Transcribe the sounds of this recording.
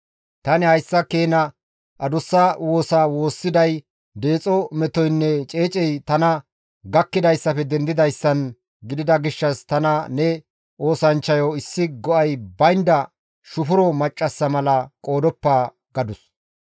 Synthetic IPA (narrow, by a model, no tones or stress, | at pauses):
t̪ɐnɪhɐjsːɐkeːnɐ | ʔɐd̪ʊsːaːwo̞ːsaːwo̞ːsːɪd̪ɐj | d̪eːt͡sʼɔmɛt̪ɔjnːɛt͡ʃʼeːt͡ʃʼɛjt̪ɐnɐ | ɡɐkːɪd̪ɐjsːɐpɛd̪ɛnd̪ɪd̪ɐjsːɐn | ɡɪd̪ɪd̪ɐɡɪʃːɐst̪ɐnɐnɛ | o̞ːsɐnt͡ʃːɐjɔɪsːɪɡɔʔɐjbɐjnd̪ɐ | ʃʊfʊɾɔmɐt͡ʃʼːɐsːɐmɐlɐkʼo̞ːd̪ɔpːaː | ɡ̥ɐd̪ʊs